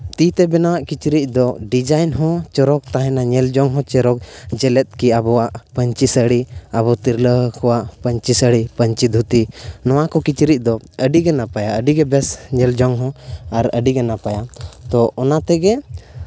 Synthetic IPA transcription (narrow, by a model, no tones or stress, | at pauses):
t̪it̪ɛbɛnawaʔkit͡ʃɾic̪̚ˀd̪ɔɖid͡ʒajnɦɔ̃t͡ʃɔɾɔk̚t̪aɦɛ̃naɲɛld͡ʒɔŋɦɔ̃t͡ʃɛɾɔk̚d͡ʒɛlɛt̪̚kiabɔwaʔpəɲt͡ʃisəɽiabɔt̪iɾləɦkɔwaʔpəɲt͡ʃisəɽipəɲt͡ʃid̪ʱut̪inɔwakɔkit͡ʃɾic̚ˀd̪ɔəɖiɡɛnapajaəɖiɡɛbɛsɲɛld͡ʒɔŋɦɔ̃aɾə̰ɖiɡɛnapajat̪ɔʔɔnat̪ɛɡɛ